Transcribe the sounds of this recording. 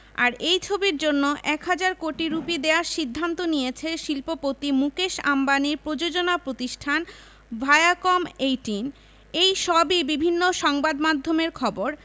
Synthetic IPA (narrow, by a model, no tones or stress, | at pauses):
a̰ɾejt͡ɕʰobiɾd͡ʑonːoʔɛkɦad͡ʑaɾkoʈiɾupid̪eaɾʃid̪ʱːant̪onijet͡ɕʰeʃilpopot̪ːimukeʃa̰mbaniɾpɾod͡ʑod͡ʑonapɾot̪iʃʈʰan | bʱaeakomejʈin | ejʃɔbibibʱinːoʃɔŋbad̪mad̪ʱːomeɾkʰɔboɾ